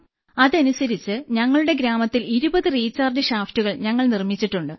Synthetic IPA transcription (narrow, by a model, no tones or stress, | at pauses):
ɐðɐnusɐɾit͡ɕːɨɲɐŋːɐɭuɽe̞ɡɾaːmɐt̪ːiliɾubɐðɨriːt͡ɕːaːrd͡ʑɨɕaːftuɣɐɭɲɐŋːɐɭnirmit͡ɕːiʈːuɳɖɨ